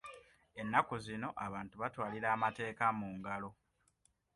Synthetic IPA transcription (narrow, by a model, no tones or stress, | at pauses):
e̞nːakuzino̞ʔaβaːntuβatwaːliɾaːmate̞ːkamuːŋɡalo̞